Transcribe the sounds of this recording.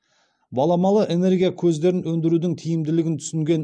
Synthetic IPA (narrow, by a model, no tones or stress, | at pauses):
bɑlˠɑmɑlˠəʔe̞ne̞ɾɡʲijakʲʰɵzd̪e̞ɾɪnwɵnd̪ɪɾud̪ɪŋt̪ʰijɪmd̪ɪlɪɡʲɪnt̪ʰʏ̥sɪŋɡʲe̞n